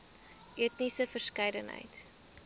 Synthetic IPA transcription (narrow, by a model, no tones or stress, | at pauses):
ʔiətnisəfərskɐjdənɦə̰jt